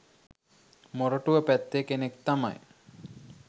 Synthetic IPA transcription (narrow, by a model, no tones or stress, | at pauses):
moɾoʈuʋəpæt̪ːekenekt̪ama̰j